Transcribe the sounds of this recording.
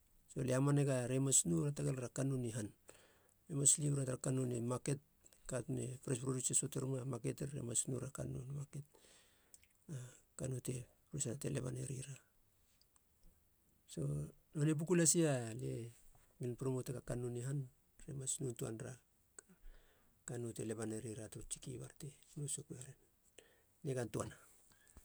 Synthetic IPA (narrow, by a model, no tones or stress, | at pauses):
so̞leamaneɡaɾemasnuɾataɡelɾakanuniɦan | ɾemaslipɾataɾakanunemake̞t̚ | katnḛpɾespɾodusesoteɾmamake̞teɾḛmasnuɾaka̰no̰nmake̞t̚ | a | kanute̞ | ɾusanateleβa̰neɾiɾa | so̞̰ | nonep̬ukulasiale | minpɾomoteɡakanuniɦan | ɾemasnuntua̰nɾa | kanute̞le̞βaneɾiɾatoot͡ʃi̥kiβa̰ɾtenosokuaɾenː | eɡantuana